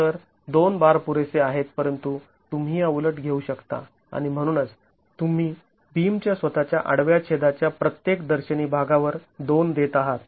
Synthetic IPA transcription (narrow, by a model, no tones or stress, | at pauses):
əɾ | d̪onbaɾpuɾeseaɦet̪̚pəɾənt̪u | t̪um̤iːəʋləʈɡʱeuɕəkt̪a̰ | a̰ɽ̃im̤əɽ̃uːnət͡s | t̪um̤iː | bimt͡ɕjasʋət̪at͡ɕjaʔaɽʋjat͡ɕʰed̪at͡ɕjapɾət̪jekd̪əɾɕəniːbʱaɡaʋəɾd̪ond̪et̪aɦat̪